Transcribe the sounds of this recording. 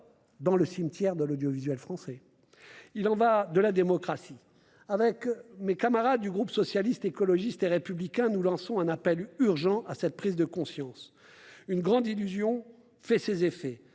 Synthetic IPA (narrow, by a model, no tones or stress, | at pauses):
d̪ɑ̃ləsimt̪jɛʁd̪əlod̪jɔvizɥɛlfχɑ̃sɛ | ilɑ̃vad̪əlad̪emɔkχasi | avɛkmekamaʁad̪ːyɡʁupsɔsjalist̪ekɔlɔʒist̪eʁepyblikʲɛ̃nulɑ̃sɔ̃ɛ̃napɛlyʁʒɑ̃ʔasɛt̪̚pχizd̪əkɔ̃sjɑ̃s | ynɡʁɑ̃d̪ilyzjɔ̃ | fɛsezefɛ